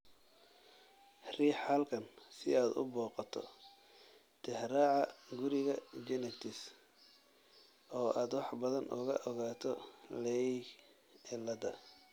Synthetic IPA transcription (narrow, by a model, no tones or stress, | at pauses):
riːħɐlkʰɐnsɪ̰aːd̪ʊ̰bɔːqɑt̪ʰɔ̰ | t̪ʰɛhɾaːʕɑɡʊɾɪɣɐd͡ʒɛnɛt̪ʰɪs | ʔɔːʔaːd̪wɑħbɐðɐnʔʊ̰ɣɐ̰ʔɔɣaːt̪ʰɔlɛj | ɪlɐd̪ɐ̰